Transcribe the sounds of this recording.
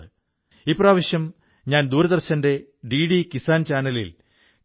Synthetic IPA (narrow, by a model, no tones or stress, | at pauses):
ɨ | iːpːraːʋɐɕjɐm | ɲaːnd̪uːɾɐðɐrɕɐnde̞ | ɖiɽikisaːnt͡ɕaːnɐlḭl